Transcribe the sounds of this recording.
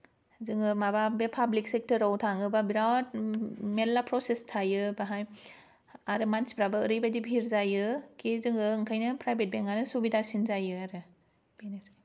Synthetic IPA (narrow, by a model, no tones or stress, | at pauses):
zɯŋɯmababepʰablik̚sek̚tɯɾawtʰaŋɯbabiɾawt̚melːapɾosestʰajɯbaɦaj | aɾɯmansi̥pɾabaɯɾɯjbadibʱiɾzajɯkʰizɯŋɯːŋkʰajnɯpɾajbʱet̚beŋanɯsubidasinzajɯaɾɯ | b̥enes